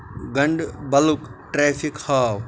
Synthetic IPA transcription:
ɡɐ̃ɳɖbɐlukʈɾeːfikhaːw

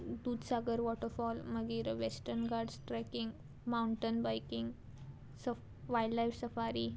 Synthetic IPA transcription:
d̪uːd̪saɡəɾʋɔʈəɾfɔlməɡiːɾʋesʈəɾnɡaɾɖsʈɾajkiŋɡ | mawɳʈənbajkiŋɡ | sə | ʋajllajfsəfaɾi

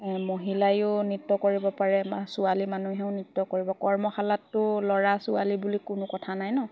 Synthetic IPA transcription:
moɦilajʊnitːɔkoɹibɔpaɹɛmsʊalimanuɦɛʊ̃nitːɔkoɹibɔkɔɹmɔxʰalatːʊlɔɹasʊalibulikʊnʊkɔtʰanajnɔ

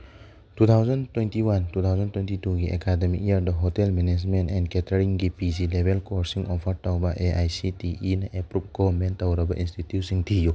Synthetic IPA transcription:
tut̪ʰawzantwentiwantutʰawzɔntwentituɡiɛ̰kademik̚jaɾdɐɦɔtɛlmɛnɛd͡ʒmentɛnkɛtaɾiŋɡipizilebʱelkɔɾsiŋʔɔpʰɐɾtawbɐʔeʔajsitiʔinɐʔɛpɾup̚ɡɔnmɛntawɾɐbɐʔinstitjusiŋtʰiju

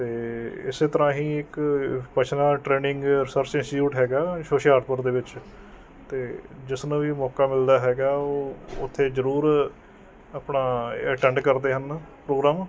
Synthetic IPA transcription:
t̪eːɪ̰seːt̪əɾãːɦĩːɪkpət͡ʃʰnaːʈɾeːnɪŋɡɾɪsəɾsɪ̃nsʈjuːʈɦɛːɡaːʃoːʃaːɾʈpəɾd̪eːʋɪt͡ʃ | t̪eːd͡ʒɪsnãːʋiːmɔːkaːmɪld̪aːɦɛːɡaːoːʊt̪ʰːeːzəɾuːɾ | aːpnaːəʈɛ̃ːɳɖkəɾd̪eːɦənpɾoːɡɾaːm

